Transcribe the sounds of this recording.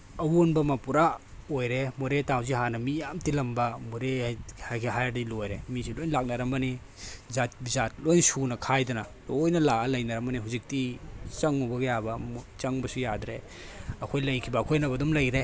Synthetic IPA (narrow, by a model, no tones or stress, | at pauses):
ɐwonbɐmɐpuɾa | ojɾemoɾetawziɦanɐmijamtilɐmbɐmoɾehakʰiɦajdilojɾemisilojnlak̚nɐɾɐmbɐni | zat̚bizat̚lojnsunɐkʰajdɐnɐlojnɐlaɐlɐjnɐɾɐmɐniɦuzik̚tit͡ʃɐŋubɐɡɐjabɐt͡ʃɐŋbɐsujadɾe | ɐkʰojlɐjkʰibɐːkʰojnɐbɐdumlɐjɾe